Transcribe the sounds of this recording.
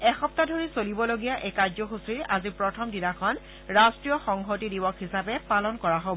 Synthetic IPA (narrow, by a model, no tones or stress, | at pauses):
ɛxɔp̚tadʱoɹisolibɔloɡijaʔekazɔxusiɹazipɹɔtʰɔmdinakʰɔn | ɹastɹijɔxɔŋɦotidibɔkɦisapɛpalɔnkɔɹaɦob